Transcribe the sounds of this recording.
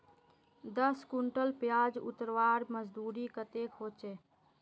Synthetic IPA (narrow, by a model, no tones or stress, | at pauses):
d̪əskuɳʈəlpjad͡ʒṵt̪ɾwaɾməd͡ʒd̪uɾikət̪ekɦot͡ʃe